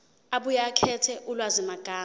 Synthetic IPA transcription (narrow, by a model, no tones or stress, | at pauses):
aɓujakʰɛtʰɛʔulwazimaɡ̥ʱaː